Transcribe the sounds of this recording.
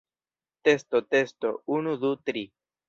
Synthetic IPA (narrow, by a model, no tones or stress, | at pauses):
t̪est̪ot̪est̪ounud̪ut̪ɾi